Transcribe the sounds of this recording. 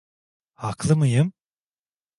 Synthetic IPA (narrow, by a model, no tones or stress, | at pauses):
haklˠɯmɯjɯm